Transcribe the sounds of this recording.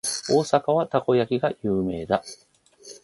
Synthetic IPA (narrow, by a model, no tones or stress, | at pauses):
o̞ːsakaβ̞at̪ako̞jakʲiɡajɯːme̞ːd̪a